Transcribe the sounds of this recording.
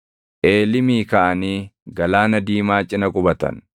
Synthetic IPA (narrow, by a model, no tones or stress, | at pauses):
ʔeːlɪmiːkɐʔɐniːɡɐlaːnɐd̪iːmaːt͡ʃʼɪnɐkʼʊbɐt̪ɐ̰n